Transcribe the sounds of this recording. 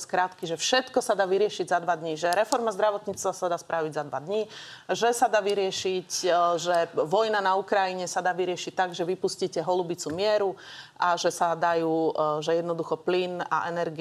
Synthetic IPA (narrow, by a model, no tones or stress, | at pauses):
skɾat̪kiʒɛfʃɛt̪kɔsad̪aːʋiɾɪɛʃiɟzad̪ʋad̪ɲiʒɛɾɛfɔɾmazd̪ɾaʋɔt̪ɲiːt͡st̪ʋasad̪aːspɾaʋiɟzad̪ʋad̪ɲiʒɛsad̪aːʋiɾɪɛʃicʒɛʋɔjnanaukɾajiɲɛsad̪aːʋiɾɪɛʃic̚t̪aɡʒɛʋipusciːcɛɦɔlubit͡sumɪɛɾuʔaʒɛsad̪ajuːʒɛjɛd̪nɔd̪uxɔplina̰ʔɛnɛɾɡi